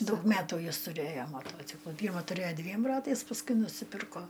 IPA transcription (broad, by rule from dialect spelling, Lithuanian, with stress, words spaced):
ˈdɐʊk ˈmʲæːtuː ˈjɪs tʊˈrʲeːjoː mɐˈtoːt͡sʲɪklˠʊ ˈpʲiːrmɐ tʊˈrʲeːoː ˈdʲʋʲiɛm ˈrɑːtɐɪs pɐsˈkʊɪ nʊsʲɪˈpʲɪrkoː